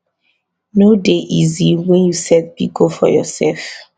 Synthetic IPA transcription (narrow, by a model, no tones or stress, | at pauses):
nodeʔiziwɛ̃njusɛt̚pikofɔ̰jɔ̰sɛlf